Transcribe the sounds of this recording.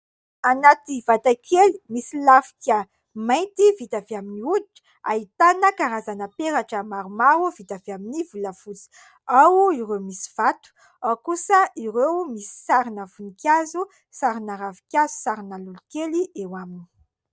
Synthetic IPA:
anat̪ivat̪akʰelimisilafi̥kʲə | majnt̪ivit̪aveaminiuliʈ͡ʂə̥ | a̰it̪anəkaɾazanəpeɾaʈ͡ʂəmaɾumaɾuvit̪aveaminivuləfut͡si̥ | awiɾewmisi̥v̥at̪u̥ | awkusəiɾewmisi̥saɾinəfunikʲazu | saɾinaɾavikʲazu̥saɾinəlulukeliʔewamini̥

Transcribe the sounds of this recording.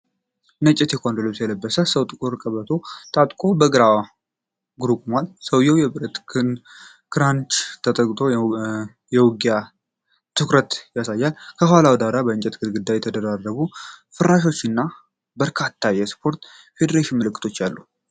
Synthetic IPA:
nət͡ʃʼːɛt̪jɛkʰʼond̪olosjɛləbːəsəsəwt̪ʼɨkʼuɾkʼəβət̪ʰo̞t̪ʼat̪ʼkʼo̞bəɡɨɾawa | ɡɾupʼmalsəwjɛwjɛbɨɾət̪ | kʰɨɾant͡ʃʼt̪ʰət̪ʼəkʼt̪ʰʼo̞ | jɛwɡja | t̪ʰɨkɾət̪jasajːalkʰəɦwalawd̪aɾabəɨnt͡ʃʼɛt̪ɡɨlɡɨd̪ːajɛt̪ʰəd̪əɾarːəβufɨɾaʃ̬o̞t͡ʃːɪnːa | bəɾkʰat̪ʰːajɛspʰo̞ɾt̪ | fe̞d̪əɾeʃɪnmɨlɨkʰʼːɨ̥t̪ʰo̞t͡ʃːjalːu

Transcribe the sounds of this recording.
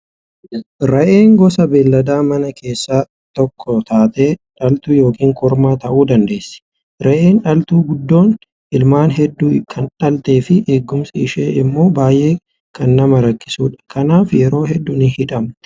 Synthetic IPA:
ɾɐʔeːŋɡɔsɐbeːlːɐd̪aːmɐnɐkʰe̞ːsːaː | t̪ɔkʰːɔt̪aːt̪eːᶑɐlt̪uːjo̞ːkʰiːŋkɔɾmaːt̪ɐʔuːd̪ɐnd̪e̞ːsːɪ̥ | ɾɐʔe̞ːnᶑɐlt̪uːɡʊd̪ːo̞ːn | ʔɪlmaːnɦɛd̪ːuːkʰɐnᶑɐlt̪e̞ːfɪʔeːɡːʊmsɪʃeːʔɪmːo̞ːbaːjʔe̞ː | kɐnːɐmɐɾɐkːɪ̥suːᶑɐ̥kʰɐnaːfjɛɾo̞ːhɛd̪ːʊnɪhɪᶑɐm

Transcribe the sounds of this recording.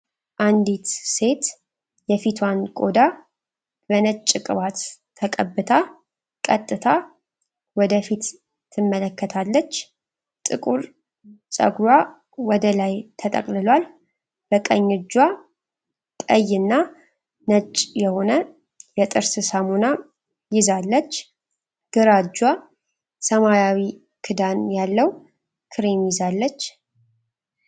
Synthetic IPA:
ʔand̪it̪se̞t̪ | jɛfit̪ʰwankʼod̪a | bənət͡ʃʼːɨkʼɨβat̪ʰː | əkʼəbːɨt̪ʰa | kʼət̪ʼːɨt̪ʰa | wɔd̪əfit̪ | t̪ʰːɨmːələkːət̪ʰalːət͡ʃː | t̪ʼɨ̰kʼuɾ | sʼə̰ɡɾwa | wɔd̪əlajt̪ʰət̪ʼə̰kʼlɨlwal | b̥əkʼəɲːɨd͡ʒːwa | t̪ʼəjːɨnːa | nət͡ʃʼjɛho̞nə | jɛt̪ʼɨɾsɨsamuna | jɪzalːət͡ʃː | ɡ̥ɨɾad͡ʒwa | səmajawi | kʰɨd̪anjalːəw | kʰɨɾimjɪzalːət͡ʃː

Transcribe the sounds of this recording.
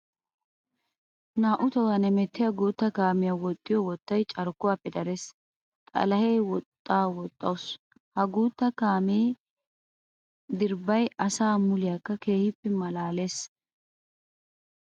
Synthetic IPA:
naːʔʊt̪ɔwɐnɛmɛt̪ːɪjɐɡuːt̪ːɐkaːmɪjɐwɔt̪ʼːɪjɔwɔt̪ːɐjt͡ʃʼɐɾʊkːʊwaːpːɛd̪ɐɾeːs | t̪ʼɐ̰lɐhejwɔt̪ʼːaːwɔt̪ʼːɐ̰ws | hɐɡuːt̪ːɐkaːmeː | d̪ɪɾbɐjɐsaːmʊlɪjakːɐke̞ːhɪpːɛmɐlaːle̞ːs

